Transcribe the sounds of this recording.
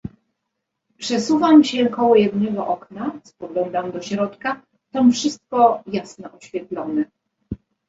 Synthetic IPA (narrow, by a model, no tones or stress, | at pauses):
pʂɛsuvamɕɛkɔwɔjɛd̪nɛɡɔʔɔknaspɔɡlɔnd̪amd̪ɔɕɾɔt̪ka | t̪amfʂɘst̪̚kɔjasnɔʔɔɕfʲjɛt̪lɔnɛ